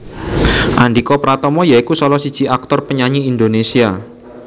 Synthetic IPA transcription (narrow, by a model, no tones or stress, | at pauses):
ʔandikɔpɾat̪ɔmɔjaikusɔlɔsid̥ʒ̥i̤ʔak̚t̪ɔrpəɲaɲiːnd̪onesia